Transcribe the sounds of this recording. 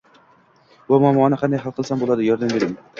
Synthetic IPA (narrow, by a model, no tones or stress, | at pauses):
vamɒmɒːnɪqʰɑnd̪ajɦalˠqʰɨlˠsambolˠad̪ɪjɒɾd̪ambeɾɪm